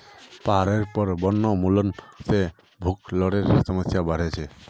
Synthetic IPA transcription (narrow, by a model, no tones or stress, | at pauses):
paɾeɾpɔɾbɔnːɔmulɔnse | bʱuklɔɾeɾsɔmɔsjabaɾet͡ʃʰe